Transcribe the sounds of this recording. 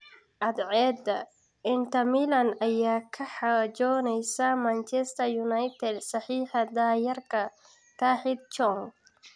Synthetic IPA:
ʔɐd̪ʕɛːd̪ɐ | ɪnt̪ʰɐmilɐnɐjaːkʰɐħɑd͡ʒɔːnɛjsɐmant͡ʃɛst̪ɐjunajt̪ʰɛd̪sɐħiːħɐd̪aːjɐrkʰɐ | k̪ʰaːħɪd̪̚t͡ʃɔŋ

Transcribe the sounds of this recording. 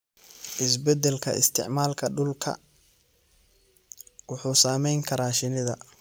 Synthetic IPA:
ʔɪsbɛd̪ɛlkʰɐ̰ʔɪ̰st̪ʰɪ̰ʕmaːlkʰɐɖʊlkʰɐ̰ | wʊħuːsaːmɛjŋkʰɐɾaːʃɪnɪðɐ̰

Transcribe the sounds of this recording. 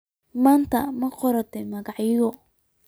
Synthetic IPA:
maːnt̪ʰɐmɐqɔɾɐt̪ʰɛmɐɣɑʕjɪɣɔ

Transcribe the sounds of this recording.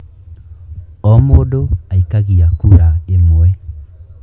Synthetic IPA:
ɔmodoaikaɣiakuɾaemoɛ

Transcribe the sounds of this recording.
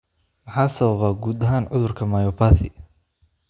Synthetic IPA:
mɑħaːsɐβɐβaːɡuːd̪ɐɦaːnʕʊðʊrkʰɐmaːjɔːpʰaːθɪ

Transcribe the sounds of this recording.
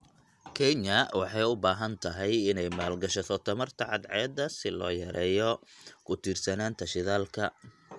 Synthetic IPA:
kʰɛɲɐwɑħɑjʊbaːɦɐnt̪ʰɐɦɛjɪnɛjmaːlɡɐʃɐt̪ʰɔt̪ʰɐmɐrt̪ʰɐʕɑd̪ʕɛːd̪ɐsɪlɔ̰ːjɐɾɛːjɔkʰʊt̪ʰiːrsɐnaːnt̪ʰɐʃɪðaːlkʰɐ

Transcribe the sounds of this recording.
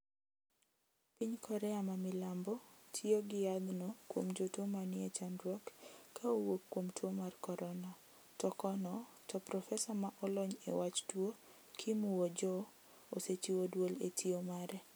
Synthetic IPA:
piɲkʰɔɾɛamamɪlambɔtʰioɡɪjad̪nɔkwomd͡ʒotomanɪɛt͡ʃandɾwɔkːʰaowokːwomtwomarkɔɾʔɔna | tɔkɔnɔ | tɔpɾɔfɛsamaʔɔlɔɲḛwat͡ʃtwo | kʰimuod͡ʒɔ | oset͡ʃiwodwoletʰiomaɾʔɛ

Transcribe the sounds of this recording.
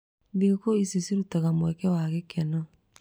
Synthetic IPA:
diɣokoisisiɾutaɣamwɛkɛwaɣekʰɛna

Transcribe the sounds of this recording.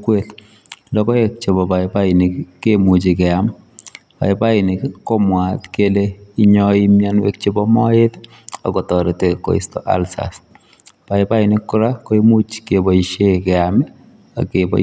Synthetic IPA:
kwet | lɔkɔek̚t͡ʃebɔbaipainɪkːemut͡ʃikɛam | pa̰ipainɪkkomwatkeleiɲɔimjanwḛk̚t͡ʃibɔmɔet | a̰kɔtɔɾiteko̰ḭstɔ̰ʔa̰lsa̰s | paipainɪkːuɾakoimut͡ʃkebɔiʃekɛamɪ | a̰kebɔ̰

